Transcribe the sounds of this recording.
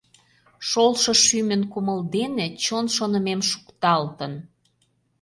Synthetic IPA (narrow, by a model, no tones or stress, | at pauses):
ʃolʃɤ̆ʃymə̆nkuməld̪enet͡ɕonʃonə̆memʃu̥kt̪ɑlt̪ən